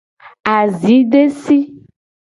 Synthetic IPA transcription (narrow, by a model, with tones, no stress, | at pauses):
a˨zi˨˦ɖe˦si˦